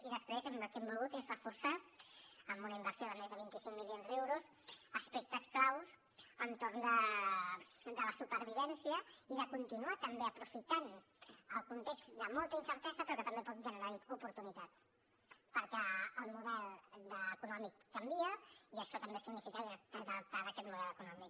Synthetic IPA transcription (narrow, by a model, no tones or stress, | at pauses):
iðəspɾezəməlˠkɛmbulˠɣut̪ezrəfuɾsa | əmbunəimbəɾsioðəmezðəβint̪isiŋmilionzðɛwɾus | əspek̚t̪əsklaws | ənt̪oɾnd̪ə | d̪ələsupəɾβiβ̞ɛnsiəiðəkunt̪inuat̪əmbeəpɾufit̪an | əlˠkunt̪ekz̥d̪əmɔlˠt̪əinsəɾt̪ɛzəpɾɔkət̪əmbepɔt̪̚ʒənəɾaupuɾt̪unit̪at͡s | pəɾkɛːlˠmuðɛlˠd̪əːkunɔmikːəmbiəiəʃɔt̪əmbesiɡnifikəðəðəp̚t̪aɾəkɛt̪muðɛlˠd̪əkunɔmik